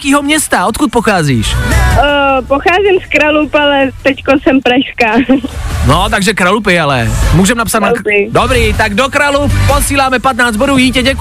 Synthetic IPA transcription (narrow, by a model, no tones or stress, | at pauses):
kiːɦomɲɛst̪aot̪̚kut̪̚poxaːziːʃ | poxaːzɪmskɾalupalɛt̪ɛckosɛmpɾaʃskaːnot̪aɡʒɛkɾalup̬ɪalɛ̰muːʒɛmnapsat̪napɪdobɾiːt̪aɡdokɾalupposiːlaːmɛpat̪naːd͡z̪boduːjiːcɛɟɛk